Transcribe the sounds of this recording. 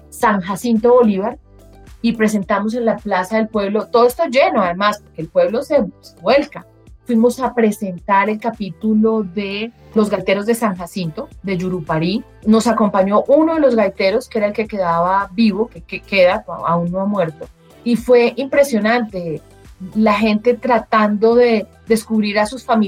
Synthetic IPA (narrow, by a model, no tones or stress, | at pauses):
saŋxasint̪oβo̞liβaɾ | ipɾe̞s̬e̞nt̪amos̬e̞nlaplasaðe̞lpwe̞βlo̞t̪oðoest̪od͡ʒe̞no̞aðe̞maspo̞ɾkeːlpwe̞βlo̞seseβwe̞lka | fwimo̞sapɾe̞se̞nt̪aɾe̞lkapit̪ulo̞ðe̞ | lo̞zɡajt̪e̞ɾo̞zd̪e̞saŋxasint̪o̞d̪e̞d͡ʒuɾupaɾi | no̞sako̞mpaɲo̞ʔuno̞ðe̞lo̞zɣajt̪e̞ɾo̞skee̞ɾaelke̞ke̞ðaβabiβo̞kekeke̞ðaa̰unːoamwe̞ɾt̪o̞ | ifwe̞ʔimpɾe̞sjo̞nãnt̪e̞ | laxe̞nt̪e̞t̪ɾat̪and̪o̞ðe̞ | ðe̞skuβɾiɾasusfami